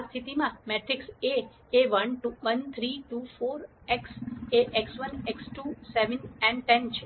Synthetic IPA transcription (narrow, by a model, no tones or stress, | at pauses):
ast̪ʰit̪imãmeʈɾikse | eʋənʈuʋənt̪ʰɾiʈufoɾ | ekseʔeksʋəneksʈuseʋənɛ̃ɳʈɛnt͡ʃʰe